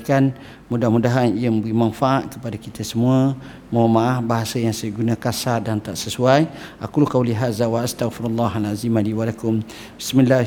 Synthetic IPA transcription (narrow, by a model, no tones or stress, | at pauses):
kan | mudahmudaɦaniəməmbəɡimanfaʔaʔkəpadakit̪asəmuə | mawmaʔahbaɦasajaŋsajəɡunakasadant̪aʔsəsuajʔa̰kulkawliɦazawaʔast̪aɣfɪɾalːaɦalazimaliwalakʊm | bɪsmila